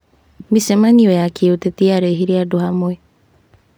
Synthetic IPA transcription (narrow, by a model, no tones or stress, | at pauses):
misɛmaniɔjakiotɛtiaɾeɦiɾiadohamwɛ